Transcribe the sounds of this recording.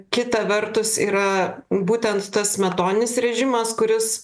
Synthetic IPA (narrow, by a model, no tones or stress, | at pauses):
kʲɪt̪ɐʋʲɛɾt̪ʊsḭːɾɐbuːt̪ʲɛnt̪t̪ɐsmʲɛt̪oːnʲɪnʲɪsɾʲɛʒʲɪmɐskʊɾʲɪs